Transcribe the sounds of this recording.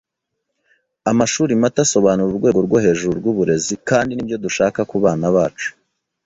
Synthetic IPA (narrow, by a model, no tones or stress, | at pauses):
amaʃuːɾimataso̞βaːnuɾuɾɡwe̞ːɡo̞ɾɡwo̞he̞ːʒuɾuɾɡuβuɾe̞zikaːndinibjo̞duʃaːkakuβaːnaβaːt͡ʃu̥